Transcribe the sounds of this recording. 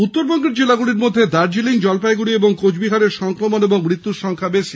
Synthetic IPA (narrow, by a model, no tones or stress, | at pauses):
utt̪ːoɾbɔŋɡeɾd͡ʑelaɡuliɾmod̪ʱːed̪aɾd͡ʑiliŋd͡ʑɔlpajɡuɽieboŋkod͡ʑbiɦaɾeɾʃɔŋkɾomoneboŋmɾit̪ːuɾʃɔŋkʰabeʃi